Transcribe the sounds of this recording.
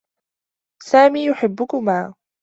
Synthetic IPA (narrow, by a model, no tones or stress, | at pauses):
saːmiːjʊħɪbːʊkʊmaː